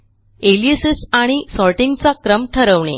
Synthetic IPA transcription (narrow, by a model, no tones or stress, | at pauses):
eliəsisaɽ̃isɔlʈiŋɡt͡sakɾəmʈʰəɾəʋɳḛ